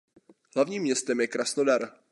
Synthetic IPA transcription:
hlavɲiːmːɲɛst̪ɛmjɛkɾasnodaɾ

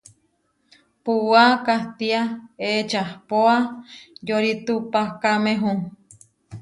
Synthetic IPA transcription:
puwakaht̪iaet͡ʃahpoajoɾit̪upahkameɦũ

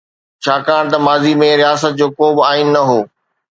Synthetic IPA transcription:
t͡ɕʰaːkaːɽ̃t̪ɐmaːzimẽɾijaːsət̪̚d͡ʑoːkoːbɪaːinɪ̆nɐɦoː

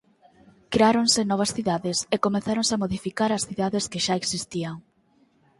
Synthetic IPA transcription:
kɾeaɾoŋsɪnɔβ̞ɐsθiðaðɪsekomeθaɾoŋseamoðifikaɾɐsθiðaðeskɪʃaeksist̪iaŋ

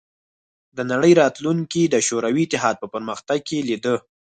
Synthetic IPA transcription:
d̪ənaɽəjɾɑt̪luŋkid̪əʃoɾawiːt̪ɪɦɑd̪̚pəpəɾməxt̪aɡ̚kelid̪ə

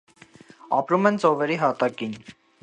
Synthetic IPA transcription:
ɑ̰pɾumɛnt͡sɔvɛɾiɦɑt̪ɑkin

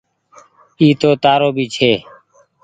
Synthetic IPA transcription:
iːt̪oːt̪aːɾoːbiːt͡ʃʰeː

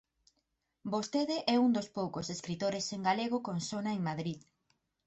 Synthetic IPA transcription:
bost̪eðeʔɛund̪ospowkoseskɾit̪oɾeseŋɡaleɣ̞okonsonaeŋmaðɾið

